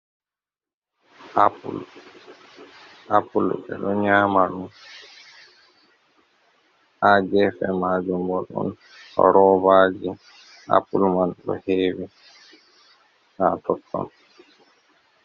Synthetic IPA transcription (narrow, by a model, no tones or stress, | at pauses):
ʔapṵl | ʔapulɛ̰ɗɔɲaːmaɗum | ʔad͡ʒɛfɛmad͡ʒɔmbɔlɔ̰n | ɔ̰ɾɔbad͡ʒi | ʔa̰pulmanɗɔ̰heːwi | hatʰɔtʰːɔ̰n